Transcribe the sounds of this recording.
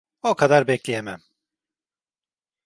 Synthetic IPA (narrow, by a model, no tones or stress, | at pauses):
okʰad̪aɾbɛclʲejemæm